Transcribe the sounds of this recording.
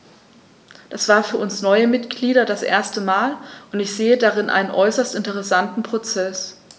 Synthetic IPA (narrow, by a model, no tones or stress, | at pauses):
d̥asv̥aːɐfyːɐʔʊnsnɔʏəmɪtɡ̥liːɾɐdasʔḛːɐstəmaːlʔʊntɪçz̥eːədaʁɪnʔa̰ɪnənʔɔʏsɐstɪntəʁ̞ɛsantn̩pʁ̥ot͡sɛs